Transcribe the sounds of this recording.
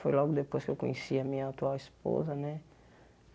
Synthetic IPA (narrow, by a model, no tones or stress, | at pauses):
fojlɔɡʊd̪epojskewkõɲesiɐmĩɲɐat̪uawispo̰zɐnɛ